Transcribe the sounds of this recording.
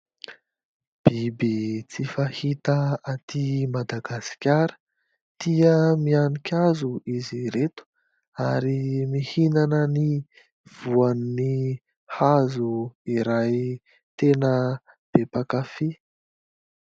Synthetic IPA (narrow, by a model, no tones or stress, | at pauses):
b̥ibit͡sifahit̪əat̪imad̪aɡasi̥kʲaɾə̥ | t̪iəmianikʲazuiziɾet̪u̥ | aɾimihinanəni | v̥uanni | hazuiɾaj | t̪enə | b̥epakafi